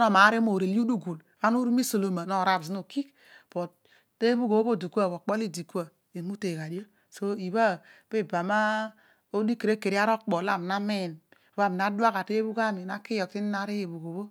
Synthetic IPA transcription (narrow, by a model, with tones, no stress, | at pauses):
no˦˨ma˨˦ɾi˦mo˨ɾe˨lu˦du˦ɡu˨l | βa˦nu˦ɾu˦mi˦so˨lo˨ma˨no˦˨ɾa˨bs̬no˨ki˦k | pɔ˨ | te˦βu˦ɡo˨˦βo˦˨di˨kʷa˦˨βo˨k͡pɔ˦li˦di˨ku˦a˨ | i˨mu˦te˨ka˨di˦o˦ | so˦i˨βa˦pe˦ba˨ma˦ | o˦di˦ke˨ɾe˦ke˨ɾi˦a˦ɾo˦k͡pɔ˨la˦˨m˨na˦me˦˨n˦ | βa˦˨m˨na˦dwa˦ka˨te˦βu˦ɡa˦mi˨na˦ki˦jɔ˨k̚ti˦na˨˦ɾi˦je˨βu˨ɡo˨βo˦